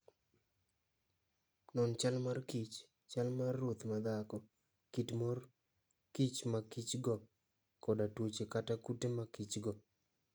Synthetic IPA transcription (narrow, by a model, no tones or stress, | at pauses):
nɔnt͡ʃalmarkit͡ʃ | t͡ʃalmarːut̪mad̪akɔ | kitmor | kit͡ʃmakit͡ʃɡɔ | kɔdatwot͡ʃekatakutemakit͡ʃɡɔ